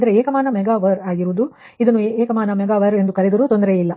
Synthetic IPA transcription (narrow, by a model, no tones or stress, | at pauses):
d̪ɐɾeeːkɐmaːnɐmɛɡaːʋɐɾaːɡiɾuːd̪u | id̪ɐnːueːkɐmaːnɐmɛɡaːʋɐɾe̞nd̪ukɐɾed̪ɐɾuːt̪ond̪ɐɾeilːɐ